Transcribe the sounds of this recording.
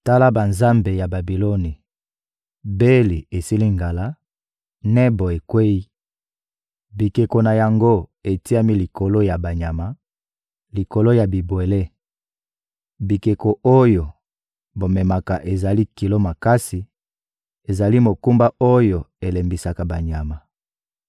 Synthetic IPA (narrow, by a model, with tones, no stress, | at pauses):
ta˦la˦ba˨nza˦mbe˨ja˨ba˨bi˨lo˦ni˨ | be˦li˨e˨si˦li˦ŋɡa˨la˦ | nɛ˦bo˨e˨kwe˦i˦ | bi˨ke˨ko˨na˨ja˨ŋɡo˦e˨ti˦a˦mi˦li˨ko˨lo˦ja˨ba˨ɲa˨ma˨ | li˨ko˨lo˦ja˨bi˨bwe˨le˦ | bi˨ke˨ko˨ʔo˦jo˨ | bo˨mɛ˨ma˨ka˨ʔe˨za˨li˦ki˨lo˦ma˨ka˦si˨ | e˨za˨li˦mo˨ku˦mba˦ʔo˦jo˨e˨le˨mbi˨sa˨ka˨ba˨ɲa˨ma˨